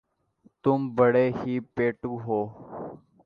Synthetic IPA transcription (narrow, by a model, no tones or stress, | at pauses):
t̪ʊmbəɽeːhiːpeːʈũːɦoː